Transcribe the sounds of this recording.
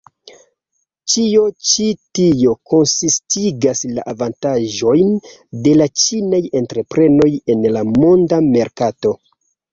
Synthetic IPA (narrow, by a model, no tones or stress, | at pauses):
t͡ʃio̞t͡ʃitio̞konsistʰiɡasla̰ʔavantaʒo̞jn | de̞lat͡ʃinaje̞ntɾe̞pɾe̞no̞je̞nlamo̞ndame̞ɾkato̞